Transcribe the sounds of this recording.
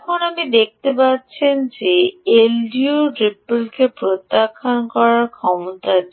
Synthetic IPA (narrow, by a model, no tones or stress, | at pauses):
kʰonapnid̪ek̚t̪epatːɕʰend͡ʑeelɖiuʈɾipːulkepɾot̪ːakʰankɔɾaɾkʰɔmot̪a